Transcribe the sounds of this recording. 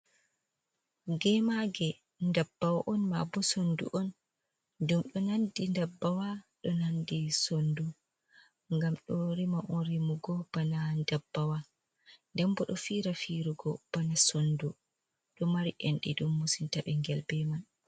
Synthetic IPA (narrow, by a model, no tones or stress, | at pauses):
ɡɛmaɡɛ | ndabːawaʔɔnma̰bɔsondṵʔɔn | dumɗɔnandindabːawaɗɔnandisondu | ŋɡamɗɔɾimaʔɔnɾimuɡɔb̥anandabːawa | ndɛmbɔɗɔfiɾafiɾuɡɔb̥anasondu | ɗɔmaɾiʔɛnɗḭɗumːusintaɓɛŋɡɛlbɛman